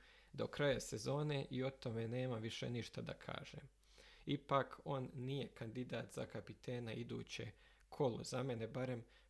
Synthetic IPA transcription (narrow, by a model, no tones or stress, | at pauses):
d̪o̞kɾajase̞zo̞ːne̞ʔio̞t̪o̞me̞ːne̞ːmaʋiʃe̞̰niʃt̪ad̪a̰kʰa̰ːʒḛm | ipakʰo̞nːije̞kand̪id̪aːt̪za̰kapit̪ʰeːnaid̪ṵːt͡ɕe | kʰo̞lṵzame̞ne̞baɾe̞m